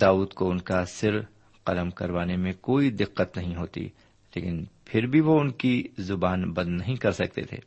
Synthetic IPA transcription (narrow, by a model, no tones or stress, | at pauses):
d̪aːuːd̪koʊnkasɪɾ | qɐləmkɐɾʋaːnemẽkoːid̪ɪqːət̪nɐɦĩɦoːt̪ḭ | lḛːkɪnpʰɪɾbʱiʋoʊnkizʊbaːnbɐ̃nd̪nɐɦĩkɐɾsɐk̚t̪ḛt̪ʰḛː